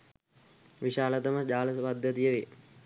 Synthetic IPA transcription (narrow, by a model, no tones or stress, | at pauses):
ʋiɕaːlət̪əməd͡ʒaːləspad̪ʱːət̪ijəʋe